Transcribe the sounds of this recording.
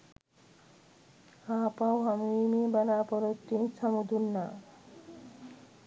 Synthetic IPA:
apawɦamimibalapɔɾot̪ːinsʰɔmud̪unːa

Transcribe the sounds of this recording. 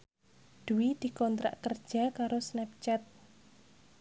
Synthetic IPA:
d̪̥uwid̪̥i̤kɔnt̪ɾa̰ʔkərd̥ʒ̥a̤kaɾosnɛp̚t͡ʃɛt̪̚

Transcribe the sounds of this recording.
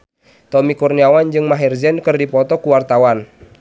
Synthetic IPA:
t̪ɔmikurniawand͡ʒɨŋmaɦirzɛnkɨrdipɔt̪ɔkuwart̪awan

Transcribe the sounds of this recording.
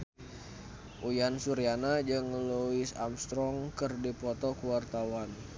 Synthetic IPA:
ʔujansuɾianad͡ʒɨŋluisamst̪ɾɔŋkɨrdipɔt̪ɔkuwart̪awan

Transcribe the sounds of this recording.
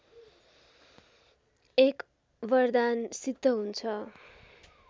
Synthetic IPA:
ek | bʌrd̪ansid̪ːʌɦunt͡sʰʌ

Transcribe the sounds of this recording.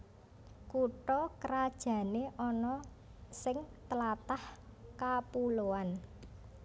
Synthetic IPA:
kuʈɔkəɾad̥ʒ̥ä̤neʔɔnɔ | sɪŋt̪əlat̪ahkapuloan

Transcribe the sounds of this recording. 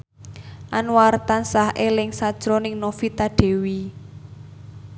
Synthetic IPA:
ʔanwart̪ansahʔelɪŋsad̥ʒ̥ɾɔnɪŋnofit̪aɖ̥e̤wi

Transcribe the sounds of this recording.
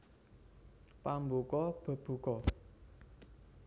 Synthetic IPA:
pambokɔb̥ə̤b̥ṳkɔ

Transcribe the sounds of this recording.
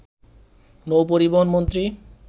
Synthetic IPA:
nowp̬oɾiboɦonmont̪ɾi

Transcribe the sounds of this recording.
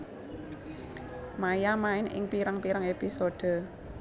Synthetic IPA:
majamaɪnɪ̰ŋpiɾaŋpiɾaŋepisoɖ̪̥ə̤

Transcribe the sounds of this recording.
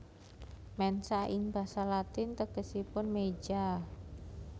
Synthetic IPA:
mɛnsaɪŋb̥a̤salat̪ɪnt̪əɡ̥əsipʊnme̥d͡ʒa

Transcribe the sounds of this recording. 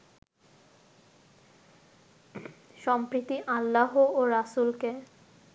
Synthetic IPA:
ʃɔmpɾit̪iʔalːaɦooɾasulke

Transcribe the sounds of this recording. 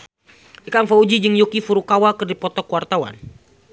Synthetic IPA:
ikaŋfaud͡ʒid͡ʒɨŋjukifuɾukawakɨrdipɔt̪ɔkuwart̪awa̰n

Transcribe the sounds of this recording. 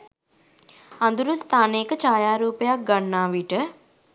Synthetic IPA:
ɐnd̪uɾust̪ʰaːneːkət͡ʃaːjaːɾuːpəjak̚ɡanːaːʋiʈə

